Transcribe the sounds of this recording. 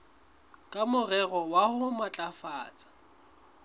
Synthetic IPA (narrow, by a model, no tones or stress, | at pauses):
kʼamʊrɛɣɔwahʊmat͡ɬʼafaːt͡sʼḁ